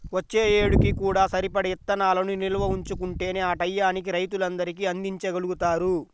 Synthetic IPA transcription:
ʋɐt͡ʃːe̞ːjeːɽukikuːɽaːsɐɾipɐɽiit̪ːɐnaːlɐnunilɐʋɐuɲt͡ʃukuɳʈe̞ːneːaːʈɐjːaːnik̬iɾɐjt̪ulɐnd̪ɐɾikiɐnd̪iɲt͡ʃɐɡɐluɡut̪aːɾu

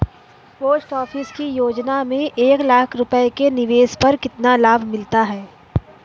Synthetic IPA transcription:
poːsʈɔːfɪskijoːd͡ʒnamẽʔeːklaːkʰɾʊpəekenɪʋeːspɐɾkɪt̪nalaːbʱmɪlt̪aɦɛː

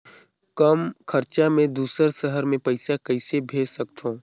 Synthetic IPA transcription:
kɐmkʰɐɾt͡ʃamẽd̪uːsəɾsəɦəɾmẽpɐɪsakɐɪsebʱeːd͡ʒsɐkt̪ʰõː

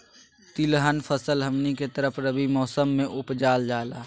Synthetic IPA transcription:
t̪ɪlɦənpʰəsəlɦɐmniket̪əɾəpʰɾəbimɔːsəmːẽʔʊpd͡ʒaːld͡ʒaːlaː

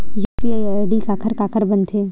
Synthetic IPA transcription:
juːpiaːiaɖikaːkʰəɾkaːkʰəɾbɐnt̪ʰeː

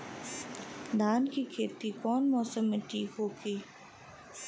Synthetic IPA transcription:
d̪aːnkikʰeːt̪ikɔːnmɔːsəmːẽʈʰiːkɦoːɡiː

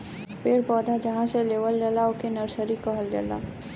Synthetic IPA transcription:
peːɾpɔːd̪ʱad͡ʒɐɦãseleːʋəld̪ɛːlaʊkenɐɾsəɾikəɦəld̪ḛːla̰ː

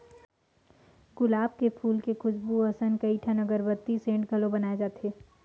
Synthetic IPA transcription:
ɡʊlaːb̚kepʰuːlkekʊsbuɐsənkɐiʈʰɐnɐɡəɾbɐt̪ːisẽːɳʈɡɐlõbɐnaːed͡ʒaːt̪eː

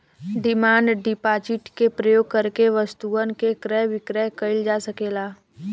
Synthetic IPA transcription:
ɖɪmaːnɖɪpaːd͡ʒɪʈkepɾəjoːɡ̚kɐɾkeʋɐst̪uənkekɾɛʋɪkɾɛɦkɐɪld͡ʒaːsɐkeːlaː

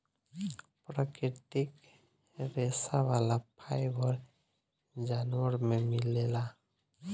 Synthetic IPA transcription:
pɾakɾiʈik | ɾesawalapʰajbʱɔɾ | d͡ʒanwəɾmemilela

